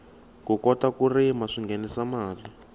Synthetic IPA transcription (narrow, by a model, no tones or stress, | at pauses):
kukɔtakurimaʂiŋɡʱɛnisamaːli